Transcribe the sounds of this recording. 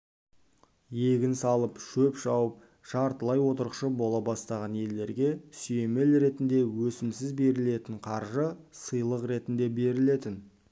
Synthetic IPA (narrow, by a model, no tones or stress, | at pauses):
je̞ɡʲɪnsɑlˠəpʃɵpʒɑwəp̚ | ʒ̥ɑɾt̪əlˠɑjwo̞t̪əɾəqʃəbo̞lˠɑbɑst̪ɑʁɑnje̞lːe̞ɾɡʲe̞sʏje̞me̞lɾe̞t̪ɪnd̪e̞wɵsɪmsɪzbe̞ɾɪle̞t̪ɪɴqʰɑɾʒəsəjlˠəqɾe̞t̪ɪnd̪e̞be̞ɾɪle̞t̪ɪn